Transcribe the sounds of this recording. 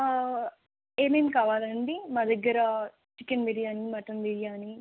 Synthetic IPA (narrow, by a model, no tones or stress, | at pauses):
eːmeːmkaːʋaːlɐɳɖimaːd̪ɐɡːɐɾɐ | t͡ʃikːɐnʋiːɽijaːnimɐʈɐnʋiːɽijaːni